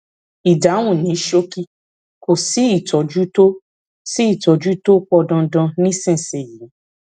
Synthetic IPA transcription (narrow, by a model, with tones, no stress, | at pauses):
i˨da˨˦w̃ũ˦˨nĩ˨˦ʃo˦ki˦ | ko˨si˨˦i˦˨tɔ˨d͡ʒu˦to˦ | si˦i˦˨tɔ˨d͡ʒu˦to˦k͡pɔ˧dɔ̃˧dɔ̃˧nĩ˦sɛ̃˦˨se˨ji˨˦